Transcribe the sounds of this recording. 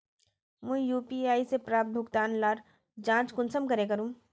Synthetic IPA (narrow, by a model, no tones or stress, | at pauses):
mɛ̃ːjuːpiaːisepɾaːp̚t̪̚bʱʊkt̪aːnlaːɾ | d͡ʒãːt͡ʃkʊnsəmkɐɾek̬ɐɾũː